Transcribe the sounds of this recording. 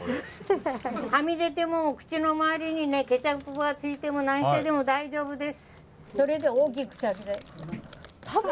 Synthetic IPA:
kamʲid̪e̞t̪e̞mo̞kɯ̟̥t͡ɕino̞maaːɾʲiɲ̟ine̞ke̞t͡ɕakɯpɯboɡat͡sɨit̪e̞mo̞nãɰ̃ɕi̥t̪ed̪e̞mo̞d̪aiʑo̞ːbɯ̟d̪e̞sɨ̥ | so̞ɾe̞d̪e̞oːk̬ʲikɯ̥ɕaked̪e | t̪ʰa

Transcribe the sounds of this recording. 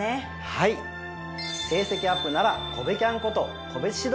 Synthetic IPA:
e | hai | se̞ːse̞kʲiapːɯ̟naɾako̞bekʲãŋko̞t̪o̞ | kʰo̞be̞t͡sɨ̥ɕid̪

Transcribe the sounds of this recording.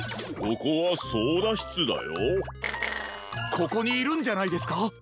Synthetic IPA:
ɡokoβasoːd̪aɕi̥t͡sɨd̪a̰jo | kʰo̞ko̞ɲ̟iːɾɯ̟̃ɲ̟d͡ʑanaid̪e̞sɨ̥ka

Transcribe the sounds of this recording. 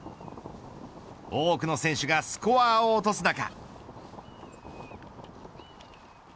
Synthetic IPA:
oːkɯ̟no̞sẽ̞ɰ̃ɕɨɡasɨ̥koaːo̞ːt̪o̞sɨnaka̰

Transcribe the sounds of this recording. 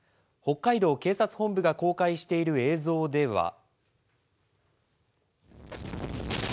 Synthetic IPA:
ho̞kːaid̪o̞ːke̞ːsat͡sɨ̥hõ̞mbɯ̟ɡako̞ːkaiɕi̥t̪e̞iɾɯ̟e̞ːzo̞ːd̪e̞βa̰

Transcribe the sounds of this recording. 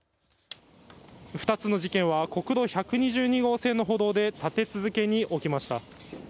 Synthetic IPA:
ɸɯ̟̥t̪at͡sɨno̞ʑikẽ̞ɰ̃βako̞kɯ̟d̪o̞çakɯ̟ɲ̟iʑɨːɲ̟iɡo̞ːse̞ːno̞ɦo̞ːd̪o̞ːd̪e̞t̪at̪e̞t͡sɨzɨke̞ɲ̟iʔo̞kʲimaɕi̥t̪a̰

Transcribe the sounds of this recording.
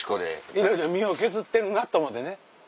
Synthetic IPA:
i̥kod̪ḛiɾoiɾomʲio̞ke̞zɨt̪ːe̞ɾɯ̟nat̪ːoːmot̪ːene

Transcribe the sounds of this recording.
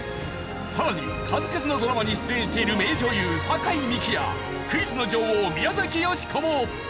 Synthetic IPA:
saɾaɲ̟i | kʰazɨket͡sɨno̞d̪o̞ɾamaɲ̟iɕɨ̥t͡sɨẽɕi̥t̪e̞iɾɯ̟me̞ːd͡ʑo̞ːjɯːsakaimʲikʲija̰ | kɯ̟it͡sɨno̞d͡ʑo̞ːhoːmʲijazakʲijo̞ɕi̥kʰo̞mo

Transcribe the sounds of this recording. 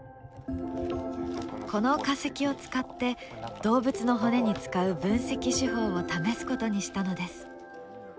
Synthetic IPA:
kʰo̞no̞kase̞kʲio̞t͡sɨ̥kat̪ːe̞d̪̥o̞ːbɯ̟t͡sɨno̞ɦo̞ne̞ɲ̟it͡sɨ̥kaɯ̟bɯ̟̃ɰ̃se̞kʲiɕiɦo̞ːot̪ame̞sɨ̥ko̞t̪o̞ɲ̟iɕi̥t̪ano̞d̪e̞sɨ̥

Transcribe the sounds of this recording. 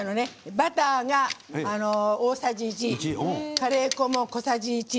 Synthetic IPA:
nonebat̪aŋaːnooːsad͡ʑit͡ɕikaɾekomoko̞sad͡ʑit͡ɕi

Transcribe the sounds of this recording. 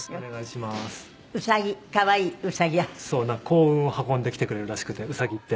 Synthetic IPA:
neɡaiɕimasɨ̥ | ɯ̟saɡʲikaβaiːɯ̟saɡʲijaso̞ːnãkʰo̞ːɯ̃ɰ̃ohakõ̞nd̪e̞kʲi̥t̪e̞kɯ̟ɾeɾɯ̟ɾaɕi̥kɯ̟t̪e̞ɯ̟saɡʲit̪ːe̞

